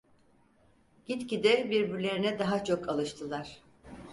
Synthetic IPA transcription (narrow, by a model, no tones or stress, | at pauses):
ɟ̥it̪cid̪ɛbiɾbiɾlʲe̞ɾinɛd̪aɦat͡ʃʰo̞kʰalˠɯʃt̪ʰɯlˠaɾ̥